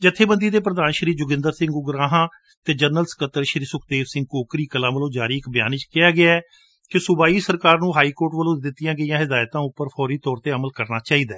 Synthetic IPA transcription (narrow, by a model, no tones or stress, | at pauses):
d͡ʒət̪ʰːeːbənd̪iːd̪eːp̬ɾəd̪aːnʃəɾiːd͡ʒʊɡɪ̃nd̪əɾsɪ̃ŋɡʊɡɾãːɦãː | t̪eːd͡ʒənəlskət̪ːəɾʃɾiːsʊkʰd̪eːʋsɪ̃ŋɡ̚koːkɾiːkəlãːʋəlõːd͡ʒaːɾiːɪkbja̰ːnɪt͡ʃkɪaːɡɪaːɛː | kɪsʊbaːiːsəɾkaːɾnũːɦaːiːkoːʈʋəlõːd̪ɪt̪ːɪjãːɡəijãːɦɪd̪aːjt̪ãːʊpːəɾpʰɔːɾiːt̪ɔːɾt̪eːəməlkəɾnaːt͡ʃaːiːd̪aː